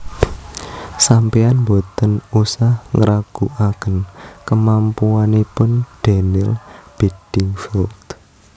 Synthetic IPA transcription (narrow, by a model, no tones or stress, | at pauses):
sampeanmbot̪ənusahŋəɾʔaɡ̥ṳʔakənkəmampuanepʊnɖ̥ɛ̤nɪlb̥ed̥ɪŋfɔlt̪